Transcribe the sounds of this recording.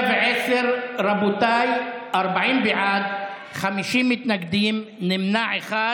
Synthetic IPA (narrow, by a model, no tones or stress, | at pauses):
veʕeseɾɾabot̪ajʔaɾbaʕimbeʕad̪ | χamiʃimːit̪naɡd̪imnɪmnaʕeχa